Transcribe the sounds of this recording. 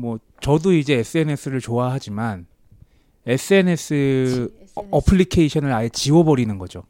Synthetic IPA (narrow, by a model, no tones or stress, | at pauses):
mwʌ | t͡ɕʌdoid͡ʑe̞es͈ʰɯe̞ne̞s͈ʰɯɾɯɭt͡ɕoaɦad͡ʑiman | e̞s͈ʰɯe̞ne̞s͈ʰɯ | ʌpʰɯɭːikʰe̞iɕʰʌnɯɾajet͡ɕiwʌbʌɾinɯnɡʌd͡ʑo